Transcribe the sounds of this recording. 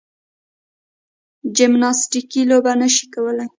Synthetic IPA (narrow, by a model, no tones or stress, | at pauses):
d͡ʒɪmnɑsʈikilobanəʃi̥kawəla